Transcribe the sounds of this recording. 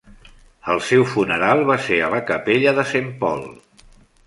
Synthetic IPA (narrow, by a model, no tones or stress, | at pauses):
əlˠsɛwfunəɾalˠβaseələkəpeʎəðəsempɔ̰lˠ